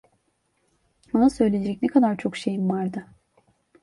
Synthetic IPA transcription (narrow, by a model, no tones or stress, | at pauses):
anasø̞jlʲejd͡ʒɛcnɛkʰad̪aɾt͡ʃʰo̞kʃe̞jimvaɾd̪ɯ